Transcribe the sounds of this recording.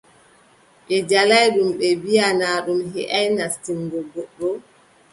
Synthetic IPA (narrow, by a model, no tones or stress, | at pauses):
ɓɛd͡ʒalajɗumɓɛbijanaːɗumɦɛʔajnastiŋɡɔɡɔɗɔ